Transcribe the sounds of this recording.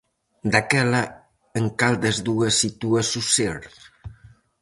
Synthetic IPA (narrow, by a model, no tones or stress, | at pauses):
d̪akɛla | əŋkalˠd̪əzðuəsːit̪uasuseɾt̪